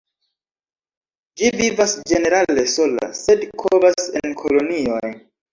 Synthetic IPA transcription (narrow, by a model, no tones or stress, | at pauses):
d͡ʒivivasd͡ʒe̞ne̞ɾale̞so̞la̰se̞dkʰobase̞nkʰo̞lo̞nio̞j